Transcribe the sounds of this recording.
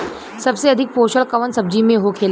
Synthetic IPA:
səbseəd̪ʱik̚poɕəɭkəʋənsəb̚d͡ʑiːmẽɦokʰela

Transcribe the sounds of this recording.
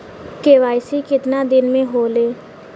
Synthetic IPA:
keːʋaːɪsikɪt̪nad̪ɪnmẽɦoːleː

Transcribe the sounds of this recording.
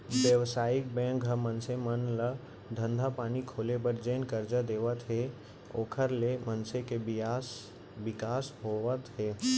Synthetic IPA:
ʋjəʋsaːɪk̚bɛ̃ːŋkɦəmənsemənlə | d̪ʱə̃nd̪ʱapaːnikʰoːlebəɾd͡ʒeːnkəɾd͡ʒəd̪eːʋət̪ɦe | oːkʰəɾlemənsekebɪas | bɪkaːsɦoət̪ɦɛː

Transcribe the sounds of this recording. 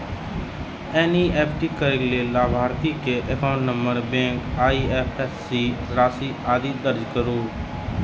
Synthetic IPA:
ɛːniːeːpʰʈikəɾeklelaːbʱaːɾt̪ikeʔəkaʊ̃ɳʈnə̃mbəɾbẽːŋkaːiɛːpʰɛsːiːɾaːsiːaːd̪iːd̪əɾd͡ʒkəɾoː

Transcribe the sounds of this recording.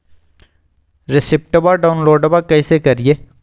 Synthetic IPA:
ɾɪsɪp̚ʈəbaɖaːʊnloːɖəbakɛisekɐɾieː

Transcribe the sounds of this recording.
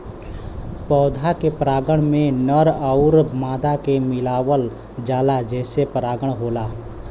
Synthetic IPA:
pɔːd̪ʱakepɾaːɡəɽ̃mẽnəɾəʊɾmaːd̪akemɪlaːwəl | d͡ʒaːlad͡ʒɛːsepɾaːɡəɽ̃ɦoːlaː

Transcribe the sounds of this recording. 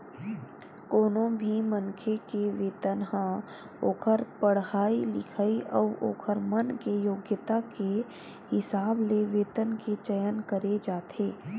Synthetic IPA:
koːnõbʱimənkʰekeʋeːt̪ənɦã | oːkʰəɾpəɽɦaːilɪ̰kʰaːiʔɔːʔo̰ːkʰəɾmənkejoːɡjət̪ake | hɪsaːbleʋeːt̪ənket͡ʃəjənkəɾed͡ʒaːt̪ʰeː

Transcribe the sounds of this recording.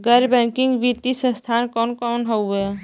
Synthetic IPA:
ɡəɾbɛ̃ːŋkɪ̃ŋɡʋit̪ːisə̃st̪ʰaːnkɔːnkɔːnɦoe

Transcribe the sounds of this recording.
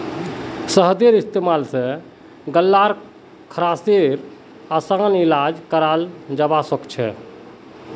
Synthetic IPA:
səɦd̪eɾist̪emalsẽ | ɡəlːaɾ | kʰəɾaseɾ | asanilad͡ʒkəɾald͡ʒabasəkt͡ʃʰɛ̰

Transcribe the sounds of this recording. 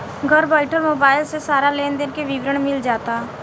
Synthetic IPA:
ɡʱɐɾbaːɪʈʰəlmoːbaːɪlsesaːɾaleːnd̪ɪnkeʋɪʋɾəɽ̃mɪld͡ʒaːt̪aː

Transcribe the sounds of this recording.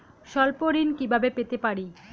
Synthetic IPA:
ʃɔlpoɾinkibʱabepet̪epaɾi

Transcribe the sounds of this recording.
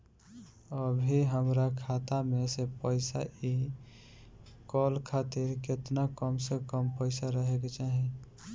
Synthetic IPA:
əbʱiɦəmɾakʰat̪amesepəɪsa̰ʔi | kɔlkʰat̪eɾket̪nakəmsekəmpəɪsaɾəɦeket͡ʃaɦĩ

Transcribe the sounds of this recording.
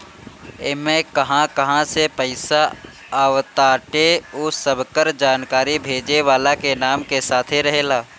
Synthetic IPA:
eːmẽkɐɦãkɐɦãsepəɪsa | aːʋt̪aːʈeosəbʱkəɾd͡ʒaːnkaːɾibʱeːd͡ʒeʋaːlakenaːmkesaːt̪ʰeɾɐɦeːlaː

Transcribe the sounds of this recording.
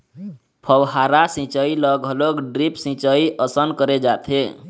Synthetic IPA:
pʰəwɦaɾasĩt͡ʃəiləɡɦəloɡɖɾipsĩt͡ʃəiʔəsənkəɾed͡ʒat̪ʰe

